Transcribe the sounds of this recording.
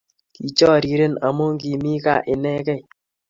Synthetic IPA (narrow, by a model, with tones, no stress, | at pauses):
ki˨t͡ʃɔ˦˨ɾi˨ɾe˦˨na˨mo˦ŋɡi˨mi˦ka̰˦˨ʔɪ˨nɛ˦kɛ˦˨